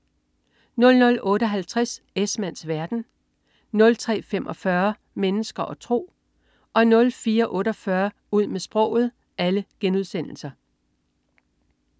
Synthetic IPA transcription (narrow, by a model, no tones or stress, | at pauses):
nɔ̽lnɔ̽lɔ̽ːɾəɦælt͡sʰʁas | esmæn̰sʋæɐd̥n̩ | nɔ̽lt͡sʰʁɛ̰ːfemʔɒ̽fɶɐ | menəsɡ̥ɐʔɒ̽t͡sʰʁo̝̰ː | ʔɒ̽nɔ̽lfiːɐʔɔ̽ːɾɒ̽fɶɐ | uð̞̰ˠmesb̥ʁɔ̽ʊ̰ð̩ˠ | æləɡ̥enuðˠsen̰l̩sɐ